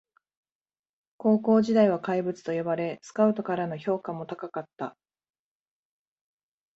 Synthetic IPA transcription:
ko̞ːko̞ːʑid̪aiβ̞akaibɯ̟t͡sɨ̥t̪o̞jobaɾe̞sɨ̥kaɯ̟t̪o̞kaɾano̞ço̞ːkamo̞t̪akakat̪ːa̰

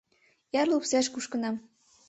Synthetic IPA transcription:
jɑrlupsæʃ̬kuʃkɤ̆nɑm

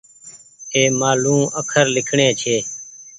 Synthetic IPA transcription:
eːmaːlũːʔəkʰəɾlɪkʰɳẽːt͡ʃʰeː

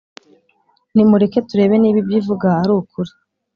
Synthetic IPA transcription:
nimuɾe̞ke̞tuɾe̞ːβe̞niːβibjivuɡaaɾuːkʰuɾi̥

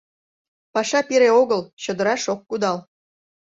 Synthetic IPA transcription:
pɑʃɑpiɾeoɣəlt͡ɕod̪əɾɑʃokːud̪ɑl

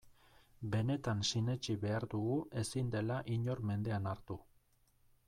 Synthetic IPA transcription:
be̞ne̞t̪ansine̞t͡ʃiβe̞aɾd̪uɣue̞sind̪e̞laʔiɲo̞ɾme̞nd̪e̞anaɾt̪u

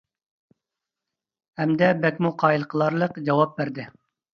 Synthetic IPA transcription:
hɛmd̪ɛbɛkʲmuqʰɑːilˠəqʰəlˠɑɾlˠəqd͡ʒɑwɑp̚bæɾd̪ɪ

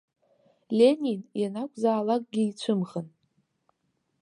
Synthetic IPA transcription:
lʲeninjanakʷʰʼzaːlakʼɡʲiit͡ɕʷʰɨmχən

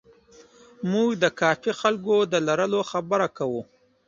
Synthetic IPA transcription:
muɡd̪əkɑfixalkod̪əlaɾəloxabəɾakawu

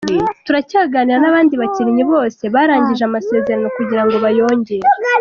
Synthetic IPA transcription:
tuɾacaːɡaniɾanaβaːndiβaciɾiɲiβo̞ːse̞βaɾaːɲɟiʒamase̞ːze̞ɾano̞kuɟiɾaŋɡo̞βajo̞ːɲɟe̞ɾe

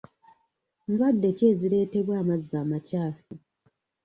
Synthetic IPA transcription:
nɡadːe̞ce̞ːziɾe̞ːte̞βwaːmazːaːmacaːfu

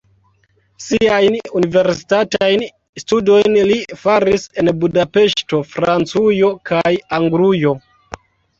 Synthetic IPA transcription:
siajnunive̞ɾsi̥tatajn | studo̞jnlifaɾise̞nbudape̞ʃto̞fɾant͡sujo̞kajaŋɡɾujo̞

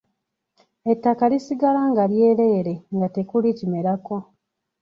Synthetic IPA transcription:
e̞tːakalisiɡalaŋɡalje̞ːle̞ːɾe̞ŋɡate̞kulicime̞ɾako̞

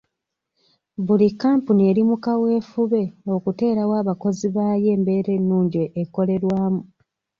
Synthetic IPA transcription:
βulikːaːmpunie̞ːɾimukawe̞ːfuβe̞o̞kute̞ːɾawaːβako̞ziβaːje̞ːmbe̞ːɾe̞nːuːɲɟeʔːko̞le̞ɾwaːmu

